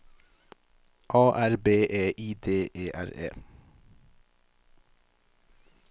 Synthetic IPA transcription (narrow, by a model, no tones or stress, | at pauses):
ʔɑːʔæɹbeːʔeːʔiːd̪eːʔeːʔæ̰ɹḛː